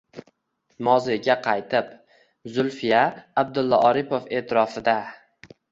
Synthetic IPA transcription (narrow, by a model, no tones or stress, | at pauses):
mɒzɪɡʲaqʰɑjt̪ʰɪp | zʊlfɪjaːb̚d̪ʊlˠːɒʔɒɾɪpofe̞ːt̪ʰɪɾɒfɪd̪a